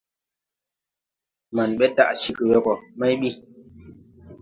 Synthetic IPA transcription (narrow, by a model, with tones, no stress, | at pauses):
ma˨nɓɛ˦ta̰˦˨ʔt͡ʃi˦kɨ˨jɔ˦kɔ˨ma˦jɓi˦